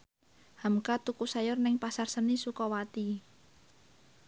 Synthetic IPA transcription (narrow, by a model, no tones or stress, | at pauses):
hamkat̪ukusajʊrnɪŋpasarsənisukɔwat̪i